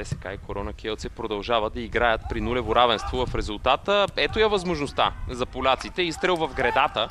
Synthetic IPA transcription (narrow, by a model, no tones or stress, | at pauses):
ɛsɛ̥ka̰ikoɾɔnɐkiɔlˠt̪sɛpɾod̪ɐlˠʒavəd̪ɐiɡɾajət̪̚pɾinulɛvoɾavɛnst̪vovɐfɾɛzʊlˠt̪at̪əɛt̪ojɐvɐzmoʒnost̪a̰zɐpolʲat̪sit̪ɛist̪ɾɛlˠvɐfɡɾɛd̪at̪ə